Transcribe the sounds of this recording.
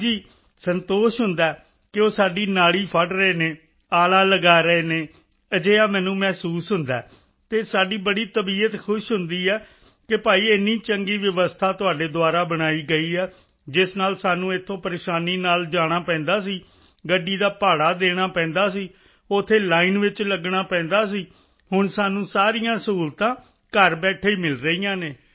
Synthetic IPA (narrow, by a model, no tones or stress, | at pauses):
d͡ʒiː | sənt̪oːʃɦʊnd̪aː | kɪoːsaːɖiːnaːɽiːpʰəʈɾəeːneː | aːlaːləɡaːɾəeːneː | əd͡ʒeːaːmɛ̃ːnũːmɛːsuːsɦʊnd̪a̰ː | t̪eːsaːɖiːbəɽiːt̪əbiːət̪kʰʊʃɦʊnd̪iːɛː | kɪpaːiːɪnːiːt͡ʃəŋɡiːʋəʋəst̪ʰaːt̪ʊaːɖeːd̪ʊaːɾaːbəɽ̃aːiːɡəiːɛː | d͡ʒɪsnaːlsaːnũːɪt̪ʰːõːpəɾeːʃaːniːnaːld͡ʒaːɽ̃aːpɛ̃ːnd̪aːsiː | ɡəɖːiːd̪aːpaːɽaːd̪eːɽ̃aːpɛ̃ːnd̪aːs̬iː | ʊt̪ʰːeːlaːiːnʋɪt͡ʃləɡɽaːpɛ̃ːnd̪aːs̬iː | hʊɳsaːnũːsaːɾijãːsuːlt̪ãː | kəɾbɛːʈʰeiːmɪlɾəiːãːneː